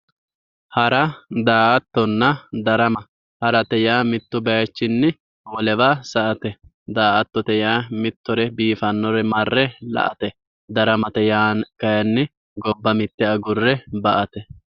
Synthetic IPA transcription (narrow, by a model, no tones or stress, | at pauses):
hɐɾɐd̪aːʔɐt̪ːɔnːɐd̪ɐɾɐmɐ | hɐɾɐt̪ɛjaːmɪt̪ːʊbɐjɐt͡ʃːɪnːɪ | wɔlɛbaːsɐʔɐt̪ɛ | d̪aːʔɐt̪ːɔt̪ɛjaːmɪt̪ːɔɾɛbiːfɐnːɔɾɛmɐrːɛlɐ̰ʔɐt̪ɛ | d̪ɐɾɐmɐt̪ɛjaːnkɐjɐnːɪ | ɡɔbːɐmɪt̪ːɛɐɡʊrːɛbɐʔɐt̪ɛ